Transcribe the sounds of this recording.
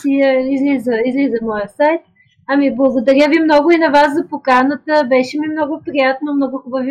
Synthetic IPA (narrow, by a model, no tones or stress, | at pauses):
iizlizəizlizɐmɔjəsajt̪̚ | ɐmiblˠɐɡod̪ɐɾʲjəvimnɔɡʊinɐvaszɐpokanət̪əbɛʃɛmimnɔɡʊpɾijat̪nomnɔɡʊxʊbəvi